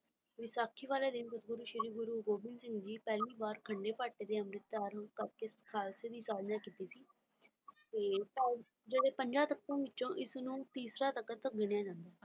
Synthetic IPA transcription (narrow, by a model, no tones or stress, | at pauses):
ʋisaːkʰiːʋaːleːd̪ɪnsət̪̚ɡʊɾuːʃɪɾiːɡʊɾuːɡoːbɪnsɪ̃ŋɡd͡ʒiːpɛːliːbaːɾkʰəɳɖeːpaːʈeːd̪eːəmɾɪt̪ːaːɾkəb̚keskʰaːlseːd̪iːsaːd̪nãːkiːt̪iːsiː | t̪eːpɛː | d͡ʒeːɽeːpəɲd͡ʒãːt̪əkːõːɪt͡ʃːʃõːʔɪsnũːt̪iːsɾaːt̪əkːət̪əɡɪɽjãːd͡ʒãːnd̪aː